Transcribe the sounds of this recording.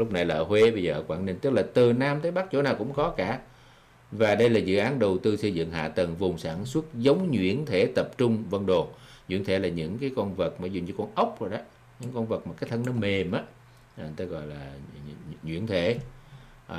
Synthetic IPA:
lʊ˦˥k͡p̚na˨˩jlaː˨ʔə˧˩hwe˧ɓə˧jzəː˨˩ʔəː˧˦kwaː˧˩ni˧ŋ̟t̪ɨ˦˥k̚laː˨˩t̪ɨ˨˩naː˧mt̪ʰəː˨˦jɓa˦˥k̚t͡ɕo̰˧˥naː˨˩wkʊ̰˧˥ŋ͡mkɔ˨˦kaː˧˩ | vaː˨˩ɗə˧jlaː˨˩zɨ̰˧˨ʔaː˨˦nɗə˨˩wt̪ɨ˧sə˧jzɨ̰˧˨ŋha̰ː˧˨t̪ə˨˩ŋvʊ˨˩ŋ͡msaː˧˩nswə˦˥t̚zə˨˦wŋ͡mɲwḭ˧˥˨ənt̪ʰe˧˩t̪ə˨˩p̚t͡ɕʊ˧ŋ͡mvə˧nɗo˨˩nɲwḭ˧˥ənt̪ʰe˧˩laː˨˩ɲɨ̰˧˥ŋkaː˨˦jkɔ˧nvə˨˩t̚maː˨˩zu˨˩ŋ͡mt͡ɕɔ˧kɔ˧nʔə˦˥wk͡p̚zo̰˧˨jɗɔ˨˦ | ɲɨ̰˧˥ŋkɔ˧nvə˨˩t̚maː˨˩kaː˨˦jt̪ʰə˧nɔ˨˦me˨˩mʔaː˨˦ | ʔt̪ə˨˦ɣɔ̰˧˨jlaː˨˩ | ɲwḭ˧˥ənt̪ʰe˧˩˨

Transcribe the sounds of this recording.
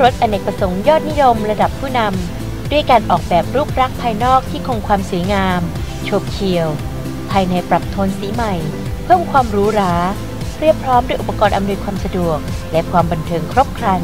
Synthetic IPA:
ɾo˦˥t̪̚ʔa˧ne˨˩k̚pɾa˧so˩˦ŋjɔː˥˩t̪̚ni˦˥jo˧mɾa˧da˨˩pʰːuː˥˩na˧m | du˥˩əjkaː˧nʔɔː˨˩k̚bɛː˨˩p̚ɾuː˥˩p̚ɾa˦˥k̚pʰːaː˧jnɔː˥˩k̚t̪ʰiː˥˩kʰo˧ŋkʰwaː˧msu˩˦ŋaː˧m | t͡ɕʰoː˧˩p̚kʰi˨˩əw | pʰaː˧jna˧jpɾa˨˩p̚t̪ʰoː˧nsiː˩˦ma˨˩j | pʰɯː˥˩əmkʰwaː˧mɾuː˦˥ɾaː˩˦ | ɾi˥˩əpʰɾɔː˦˥mdu˥˩jʔu˨˩pa˧kɔː˧nʔa˧mnu˧jkʰwaː˧msa˧du˨˩ək̚lɛ˦˥kʰwaː˧mba˧nt̪ʰɤː˧ŋkʰɾo˦˥p̚kʰɾa˧n

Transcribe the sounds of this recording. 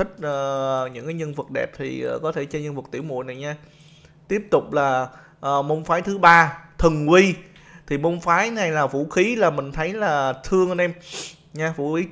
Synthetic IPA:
ï˦˥k̟̚ʔəː˨˩ɲɨ̰˧˥ŋkaː˨˦ɲə˧nvə˨˩t̚ɗɛ̰˨˩p̚t̪ʰḭ˨˩˨kɔ˨˦t̪ʰe˧˩t͡ɕɔ˧ɲə˧nvə˨˩k̚t̪ḭ˧˩əwmṵ˧˨jna˨˩jɲaː˧ | t̪i˦˥əp̚t̪ʊ˨˩k͡p̚laː˨˩ | ʔːmo˧wŋ͡mfaː˨˦jt̪ʰɨ˨˦ɓaː˧t̪ʰɨ˨˩ŋkwi˧ | t̪ʰi˨˩mo˧wŋ͡mfaː˨˦jna˨˩jlaː˨˩vṵ˧˩xi˨˦laː˨˩mï˨˩ŋ̟t̪ʰə˨˦jlaː˨˩t̪ʰɨ˧əŋ˧nʔɛ˧m | ɲaː˧vṵ˧˩xi˨˦

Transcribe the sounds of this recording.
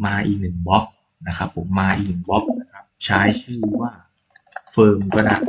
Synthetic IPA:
maː˧ʔiː˨˩k̚nɯ˨˩ŋbɔ˦˥k̚ | na˦˥kʰa˦˥pʰːo˩˦mːaː˧ʔiː˨˩k̚nɯ˨˩ŋbɔ˦˥k̚na˦˥kʰɾa˦˥p̚t͡ɕʰaː˦˥jt͡ɕʰɯː˥˩waː˥˩ | fɤː˧mka˧˥˩na˧˨˩

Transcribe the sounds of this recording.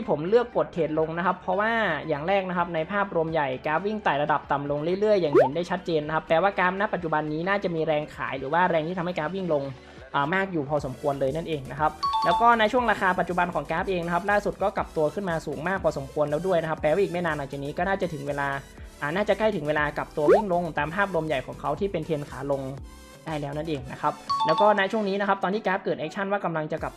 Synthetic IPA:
tʰiː˥˩pʰo˩˦mlɯ˥˩ək̚po˨˩t̪̚ʰheː˨˩t̪̚lo˧ŋna˦˥kʰa˦˥pʰɾɔ˦˥waː˥˩jaː˨˩ŋɾɛː˥˩k̚na˦˥kʰa˦˥p̚na˧jpʰaː˥˩p̚ɾu˧əmja˨˩jkaː˦˥p̚wi˥˩ŋt̪aː˨˩jɾa˧da˨˩p̚t̪a˨˩mlo˧ŋɾɯ˥˩ɾɯ˥˩əjːaː˨˩ŋhe˩˦ndaː˥˩jt͡ɕʰa˦˥t̪̚t͡ɕeː˧nːa˦˥kʰa˦˥pːɛː˨˩waː˥˩kaː˦˥p̚na˦˥pːa˨˩t̪̚t͡ɕu˨˩ba˧nːiː˦˥naː˥˩t͡ɕa˨˩ʔmiː˧ɾɛː˧ŋkʰa̰ː˩˦jɾɯː˩˦waː˥˩ɾɛː˧ŋʰiː˥˩a˧mha˥˩kaː˦˥p̚wi˥˩ŋlo˧ŋ | ʔaː˨˩maː˥˩k̚juː˨˩pʰɔː˧so˩˦mkʰu˧ənlɤː˧jna˥˩nʔeː˧ŋna˦˥kʰa˦˥p̚lɛː˦˥wkɔː˥˩na˦˥t͡ɕʰu˥˩əŋɾaː˧kʰaː˧pa˨t̪̚t͡ɕu˨˩ba˧nkʰɔː˩˦ŋkɛː˦˥p̚ʔeː˧ŋna˥kʰa˦˥p̚laː˥˩su˨˩t̪̚kɔː˥˩ka˨˩p̚t̪u˧ɐkʰɯ˥˩nmaː˧suː˩˦ŋmaː˥˩k̚pʰɔː˧so˩˦mkʰu˧ənlɛː˦˥wdu˥˩jna˦˥kʰa˦˥pːɛː˧wa˥˩iː˨˩k̚m˥˩jnaː˧nlaː˨˦ŋt͡ɕa˨˩niː˦˥kɔː˥˩naː˥˩t͡ɕa˨˩t̪ʰɯ˩˦ŋweː˧laː˧ | ʔaː˨˩naː˥˩t͡ɕa˨˩kla˥˩jt̪ʰɯ˩˦ŋweː˧laː˧ka˨˩p̚t̪u˧ɐwi˥˩ŋlo˧ŋt̪aː˧mpʰaː˥˩p̚lo˧mja˨˩jkʰɔ̰ː˩˦ŋkʰa˦˥wt̪ʰiː˥˩pe˧nt̪ʰeː˧nkʰaː˩˦lo˧ŋ | daː˥˩jlɛː˦˥wna˥˩nʔeː˧ŋna˦˥kʰa˦˥p̚lɛː˦˥wkɔː˥˩na˦˥t͡ɕʰu˥˩əŋniː˦˥na˦˥kʰa˦˥t̪ɔː˧nʰiː˥˩kɛː˦˥p̚kɤː˨˩ʔɛː˦˥k̚t͡ɕʰa˥˩nwaː˥˩ka˧mla˧ŋt͡ɕa˨˩ka̰˨˩p̚

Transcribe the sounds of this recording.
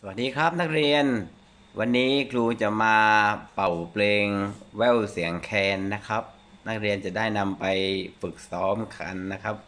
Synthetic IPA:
sa˧wa˨˩t̚ːiː˦˥kʰɾa˦˥p̚na˦˥k̚ɾi˧ən | wa˧nːiː˦˥kʰluː˧t͡ɕa˨˩maː˧pa˨˩wpleː˧ŋwɛ˥˩wsi˩˦əŋkʰɛː˧nːa˦˥kʰa˦˥p̚ | na˦˥k̚ɾi˧ənt͡ɕa˨˩daː˥˩jna˧mpa˧jfɯ˨˩k̚sɔː˦˥mkʰa̰˧nːa˦˥kʰa˦˥p̚

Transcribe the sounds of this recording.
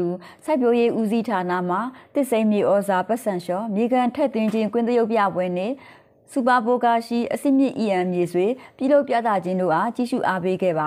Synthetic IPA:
u˨ | sa˦ɪpjo˦je˦ʔu˦zi˦tʰa˨na̰˦˨m̥a˨t̪ɪ˦ʔsẽ˦ɪ̃mjḛ˦˨ʔɔ˦za˨pɛ˦ʔsã˨ʃɔ˦mje˨ɡã˨ntʰɛ˦˨t̪wɪ̃˦ɲd͡ʑɪ̃˦ŋkwɪ̃˦t̪ə˦jo˦ʊpja̰˦˨bwɛ˦n̥ɪ̰̃˦˨ | su˨pa˨po˦ka˦˨ʃḭ˦˨ʔəsɪ̰̃˦˨mjɪ̰̃˦˨ʔi˨ʔã˨mje˨zwe˨pji˦˨lo˦ʊpja̰˦˨t̪a̰˦˨d͡ʑɪ̃˦ndo̰˦˨ʔa˦˨t͡ɕi˦˨ʃṵ˦˨ʔa˦pe˦ɡɛ̰˦˨ba˨

